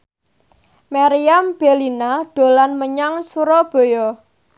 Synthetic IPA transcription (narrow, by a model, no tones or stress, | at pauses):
maɾiamb̥elinaɖ̪̥o̤lanməɲaŋsuɾɔb̥o̤jɔ